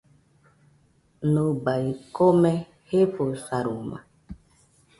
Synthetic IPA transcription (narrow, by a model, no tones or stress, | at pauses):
nobaikomɛ | hefosaɾoma̰